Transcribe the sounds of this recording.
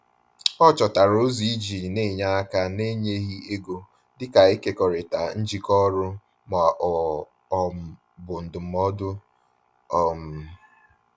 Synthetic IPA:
ɔ˦t͡ʃɔ˨ta˨ɾo˦zi˨i˦d͡ʒi˨ne˦˨ɲa˦a˦ka˦ne˦ɲe˦ɣi˦e˦ɡo˨ | dɪ˦ka˨i˦ke˦kɔ˨ɾe˨ta˨n̩˦d͡ʒi˦kɔ˦ɾʊ˦ | mɔ˨ʔɔ˨ | ɔ˦m̩˨ | bʊ˨n̩˨dʊ˨m̩˨˦ɔ˦dʊ˦ | ɔ˦m̩˦˨˦

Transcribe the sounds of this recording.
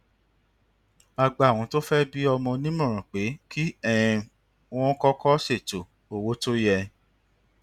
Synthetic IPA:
a˧ɡ͡ba˨w̃ɔ̃˨˧to˦fɛ˦bi˦ɔ˧mɔ̃˧nĩ˦mɔ̃˦˨ɾ̃ã˨k͡pe˨˦kʰi˦ɛ̃˦˨˧ | w̃ɔ̃˦kɔ˦kɔ˦se˦˨to˨ | o˨wo˨˦to˦jɛ˧

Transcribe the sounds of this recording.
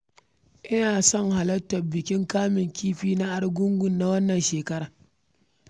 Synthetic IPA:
ʔɪ˦naː˨sɔ˦˨ŋha˨lɐ˦tːɐ˨bːɪ˨kʲɪ˦ŋkaː˦mɪ˨ŋkʰʲiː˦ɸiː˦na˦ʔa˦ɽɡʷʊ˦ŋɡʷʊ˨nːa˦wɐ˦nːɐ˨nʃeː˨kɐ˦ɾaː˨

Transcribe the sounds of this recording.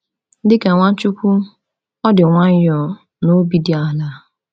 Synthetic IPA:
dɪ˦ke˨ŋʷa˦t͡ʃʊ˦kʷu˦ | ɔ˦dɪ˨ŋʷa˦ɲ˦jɔ˨ | no˦bi˦di˨˦a˨la˦

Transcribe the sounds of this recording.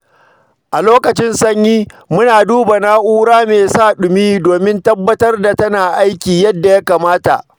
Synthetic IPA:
ʔa˨loː˦kɐ˨t͡ʃɪ˦nsɐ˦ɲjiː˦mʊ˦naː˨duː˦ba˨na˦ʔuː˦ɽaː˦meː˨saː˦˨ɗʊ˨miː˦doː˨mɪ˦ntɐ˦bːɐ˦tɐ˦rda˨tɐ˦naː˨ʔa˦jkʲiː˨jɐ˦dːa˨ja˦kaː˨maː˦ta̰˨ʔ

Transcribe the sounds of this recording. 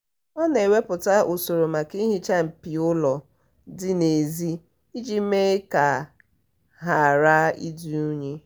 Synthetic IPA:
ɔ˦ne˨we˦pʊ˨ta˦ʔo˨so˨ɾo˨ma˨ki˦ɦi˦t͡ʃa˦m̩˨pi˨ʊ˦lɔ˨ | dɪ˦ne˨zi˦ | i˦d͡ʒi˦me˦ka˨ | ɦa˨ɾa˦ḭ˦di˨u˦ɲe˦

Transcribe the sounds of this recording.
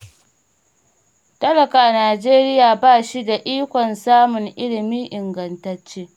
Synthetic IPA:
tɐ˦lɐ˨kaː˨naː˨d͡ʒeː˦ɾɪ˦jaː˨baː˦˨ʃi˦da˨ʔiː˦kʷɔ˨nsaː˦mʊ˨ŋʔɪ˦lɪ˨miː˦ʔɪ˨ŋɡɐ˨ntɐ˨˦t͡ʃːeː˦

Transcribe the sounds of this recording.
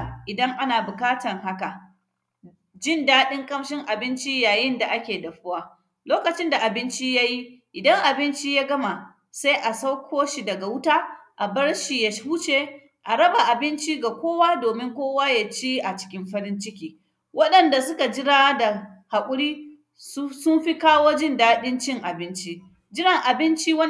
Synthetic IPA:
ʔɪ˨dɐ˦ŋʔa˦naː˨bʊ˨kaː˦tɐ˨ŋɦa˦ka˨ | d͡ʒɪ˦ndaː˦ɗɪ˦ŋkʼɐ˦mʃɪ˦ŋʔa˨bɪ˦nt͡ʃi˦jaː˨jɪ˦nda˨ʔa˦kʲeː˨dɐ˨ɸʊ˦waː˦ | loː˦kɐ˨t͡ʃɪ˦nda˨ʔa˨bɪ˦nt͡ʃi˦ja˦ji˦ʔɪ˨dɐ˦ŋʔa˨bɪ˦nt͡ʃiː˦jaː˦ɡɐ˦ma˨ | sa˦jʔa˨sa˦wkʷʰoː˦ʃi˨dɐ˨ɡa˨wʊ˦taː˦ʔa˨bɐ˦ɽʃiː˨ja˨ʃhuː˦t͡ʃeː˨ | ʔa˨ɾɐ˦ba˨ʔa˨bɪ˦nt͡ʃiː˦ɡa˨kʷoː˦waː˦doː˨mɪ˦ŋkʷoː˦waː˦ja˨t͡ʃiː˦ʔa˨t͡ʃɪ̥˦kʲɪ˦mɸɐ˦ɾɪ˦nt͡ʃɪ˦kʲiː˦ | wɐ˦ɗɐ˨nda˨sʊ˦ka˨d͡ʒɪ˦ɽaː˦da˨ha˨kʷʼʊ˦ɽiː˦ | ssʊ˦mɸi˦kaː˦woː˦d͡ʒɪ˦ndaː˦ɗɪ˦nt͡ʃɪ˦ŋʔa˨bɪ˦nt͡ʃi˦ | d͡ʒɪ˦ɾɪ˨ŋʔa˨bɪ˦nt͡ʃiː˦wɐ˦

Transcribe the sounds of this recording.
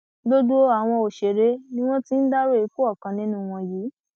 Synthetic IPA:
do˦du˦o˦a˨w̃ɔ̃˧o˨ʃe˨ɾe˨˦nĩ˦w̃ɔ̃˦ti˦n̩˦da˦ɾo˦i˨˦k͡po˦ɔ˦˨kã˨nĩ˦nũ˦˧w̃ɔ̃˧ji˨˦

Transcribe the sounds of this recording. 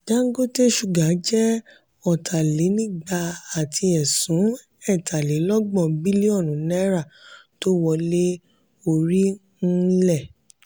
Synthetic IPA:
d͡ʒa˦ɡo˦te˦ʃu˦˨ɡã˨˦d͡ʒɛ˦ | ɔ˨tʰa˨le˨˦nĩ˦˨ɡ͡ba˧a˨tʰi˧ɛ˨sũ˨˦ | ɛ˦˨tʰa˨le˨˦lɔ˦ɡ͡bɔ̃˦˨bi˦li˦ɔ˦˨nũ˨˦nɛ˦ɾa˦˨to˦wɔ˧le˦ | o˧˨ɾi˦ | n̩˦lɛ˦˨

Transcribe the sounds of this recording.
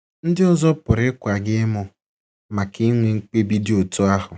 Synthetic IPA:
n̩˦dɪ˦ɔ˦zɔ˦pʊ˨ɾɪ˦kʷa˨ɡɪ˦mʊ˦ | ma˨ki˦ŋʷe˨ŋ̩˦k͡pe˦bi˦dɪ˦o˨tʊ˦a˦ɦʊ˨

